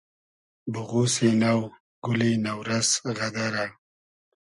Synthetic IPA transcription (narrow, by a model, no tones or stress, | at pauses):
bʊɣusenaw | ɡ̥ʊlinawɾasɣad̪aɾa